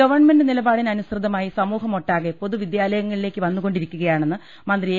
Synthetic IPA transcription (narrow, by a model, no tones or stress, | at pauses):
ɐʋɐrɳme̞ndɨnilɐbaːɽinɐnusrɨd̪ɐmaːjisɐmuːɦɐmo̞ʈːaːɣepoðuʋid̪jaːlɐjɐŋːɐɭileːkːɨʋɐnːuɣo̞ɳɖiɾikʲːuɣɐjaːɳe̞nːɨ | mɐnd̪rie